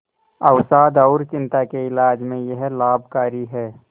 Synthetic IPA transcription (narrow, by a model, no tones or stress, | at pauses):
ɐʊsaːd̪ɔːɾt͡ʃɪ̃nt̪akeɪlaːd͡ʒmẽjəɦlaːbkaːɾiɦɛː